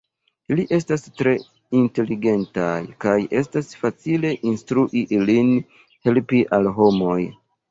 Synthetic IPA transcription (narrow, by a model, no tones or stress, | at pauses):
iliʔe̞stastɾe̞ | inte̞liɡe̞ntajkaje̞stasfat͡sile̞ʔinstɾuʔiʔilin | he̞lpiʔalɦo̞mo̞j